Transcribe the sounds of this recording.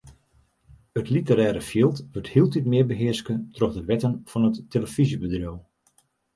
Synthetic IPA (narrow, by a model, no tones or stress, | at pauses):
ətlitəɾɛːɾəfjiəlˠtʋøthiəlˠtitmɪəbəɦɪəɹskətrɔxdəʋɛtənfɔnətːeləfizjəbədrjow